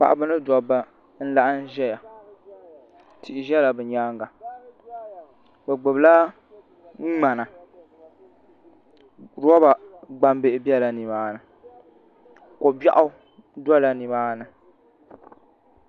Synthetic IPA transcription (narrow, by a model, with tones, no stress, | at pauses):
pa̰˨ʔa˨bɨ˦nɨ˦dɔ˨ba˦ | n̩˦la˦ʔa˦n˦ʒɛ˦ja˨ | ti˨ʔɪ˨ʒɛ˦la˨bɨ˨ɲaː˦ŋɡa˨ | bɛ˨ɡ͡bɨ˨bla˦ | ŋ͡m̩˦ŋ͡ma˨na˨ | ɾɔ˦ba˨ɡ͡ba˦mbe˦ɪ˦bi˦ɛ˦la˨ni˨baː˦nɨ˨ | kɔ˨ba̰˦ʔʊ˦ | dɔ˦la˦ni˨baː˦nɨ˨